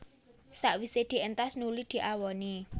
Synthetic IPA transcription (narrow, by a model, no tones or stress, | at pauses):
saʔwised̪̥i̤ənt̪asnulid̪̥i̤ʔawɔni